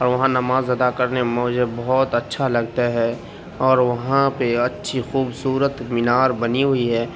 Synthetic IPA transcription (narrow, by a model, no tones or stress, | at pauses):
ɔːɾʋɐɦãnɐmaːzɐd̪akɐɾnemɔːd͡ʒəbɔɦɔːt̪ɐtːʃʰalɐɡ̚t̪aɦɛ | ɔːɾʋɐɦãpeɐtːʃʰixuːbsuːɾət̪mɪnaːɾbɐniɦʊiɦɛː